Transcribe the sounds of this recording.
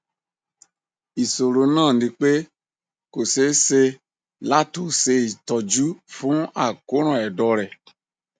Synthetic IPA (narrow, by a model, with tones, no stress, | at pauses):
i˨so˨ɾo˨nãː˦˨di˧k͡pe˦ | ko˨se˦se˧ | la˦tu˨se˧i˨tɔ˨d͡ʒu˦fũ˦a˨ko˨˦ɾ̃ɔ̃˨ɛ˨dɔ˨ɾɛ˨